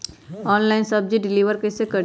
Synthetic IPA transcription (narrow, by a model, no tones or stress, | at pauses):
ɔːnlaɪnsɐb̚d͡ʒiɖɪliːʋəɾkesekɐɽ